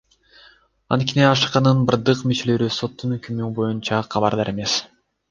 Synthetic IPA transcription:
ɑ̰nt̪̚kʲeniɑʃqɑnɯnbɯɾd̪ɯqmyt͡ʃe̞lø̞ɾyso̞t̪ːunøkymybo̞junt͡ʃɑqʰɑβɑɾd̪ɑɾʔe̞me̞s

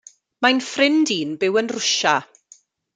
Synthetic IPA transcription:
majnfrɪndiːnbɪwənrʊʃa

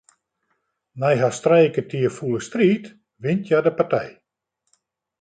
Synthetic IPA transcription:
najɦastrɛjkətʰiərfulˠəstriːt | ʋɪntjadəpartɛj

